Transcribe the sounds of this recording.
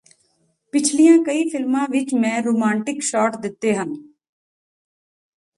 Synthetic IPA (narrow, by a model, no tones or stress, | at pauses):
pɪt͡ʃʰlijãːkəiːfɪlmãʋɪt͡ʃmɛ̃ːɾoːmãːɳʈɪkʃɔːʈd̪ɪt̪ːeːɦə̃n